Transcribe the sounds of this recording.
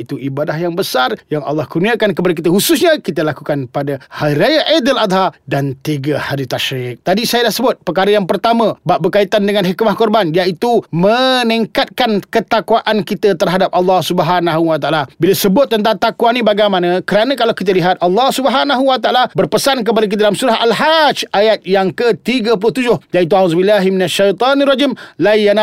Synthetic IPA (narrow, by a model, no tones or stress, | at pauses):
it̪uʔibadahjaŋbəsarjaŋɑ̰lːɑhkurniakankəpadak̬it̪əhusʊsɲakit̪əlakukanpadahaiɾajaʔedəlad̪ɦadant̪iɡəhaɾit̪aʃɾɪk̚t̪adisajədlahsəbʊt̪̚pərkaɾəjaŋpərt̪amə̃baʔbərkait̪andəŋanɦikmahkɔrbanjait̪uməniŋkat̪̚kankət̪akwaʔankit̪ət̪ərɦadap̚ʔɑlːɑhsubəɦanaɦuwat̪aʔalabiləsəbʊt̪̚ːənt̪aŋt̪akuwanĩbaɡajmanə̃kəɾanə̃kalawkit̪̬əliɦat̪̚ɑlːɑhsubəɦanaɦuwat̪aalabərpəsank̬əp̬adak̬it̪adalamsuɾaɦalɦad͡ʒajat̪̚jaŋkət̪iɡəp̬ulʊht̪ud͡ʒʊhjaʔit̪̬uauzbilːaɦiminaʃːajt̪ˤɑnirɑd͡ʒimlaijana